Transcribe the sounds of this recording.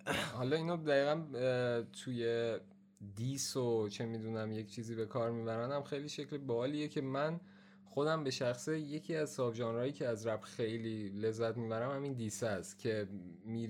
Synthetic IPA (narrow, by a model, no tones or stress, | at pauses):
hɒːlɒːiːnod̪æiːɣæn | t̪ʰuːje̞ | d̪iːsot͡ʃʰe̞miːd̪uːnæmject͡ʃʰiːziːbe̞kʰɒːɾmiːbæɾænd̪æmxejliːʃe̞clebɒːliːjecʰe̞mæn | xo̞d̪æmbe̞ʃæxseje̞cʰiːæzsɒːbʒɒːnɾɒːjiːcʰeæzɾæbxe̞jliːle̞zːæt̪miːbæɾæmhæmind̪iːsæst̪cʰe̞miː